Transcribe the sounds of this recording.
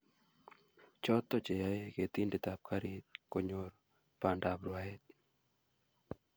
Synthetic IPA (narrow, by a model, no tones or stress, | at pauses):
t͡ʃɔt̪ːɔt͡ʃɛjaeɡet̪indɪt̪ap̚kaɾit̪̚koɲoɾ | pandabɾwaet̪̚